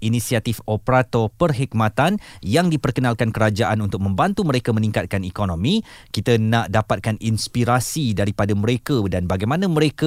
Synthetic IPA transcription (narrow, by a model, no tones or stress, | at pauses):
inisiat̪ifopəɾat̪ɔpərɦik̚mat̪anjaŋdipərkənalkankəɾad͡ʒaʔanunt̪ʊk̚mə̃mbant̪uməɾekamənĩŋkat̪̚kanikonõmĩkit̪ənãʔdapat̪̚kaninspiɾasidaɾipadaməɾekədanbaɡajmãnãmə̃ɾeka